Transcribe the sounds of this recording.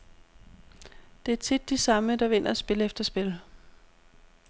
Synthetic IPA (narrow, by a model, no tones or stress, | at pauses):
d̥e̝æɐt͡sʰid̥ːisɑ̈məd̥ɑ̈ʋe̝n̰ɐæsb̥e̝ləefd̥ɐsb̥e̝l